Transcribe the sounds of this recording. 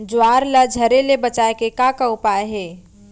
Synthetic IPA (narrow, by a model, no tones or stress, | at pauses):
d͡ʒʊaːɾlad͡ʒʱɐɾelebɐt͡ʃaːekekakaʊpaːeɦɛː